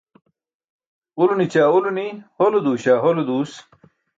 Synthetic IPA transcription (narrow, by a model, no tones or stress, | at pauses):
ulunit͡ɕaːuluniholud̪uːɕaːɦolud̪uːs